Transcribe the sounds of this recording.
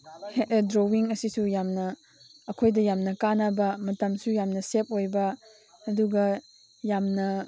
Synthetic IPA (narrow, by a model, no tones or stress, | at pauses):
hedɾowiŋɐsisujamnɐː | kʰojdɐjamnɐkanɐbɐmɐtɐmsujamnɐsep̚ojbɐː | duɡɐ | jamnɐ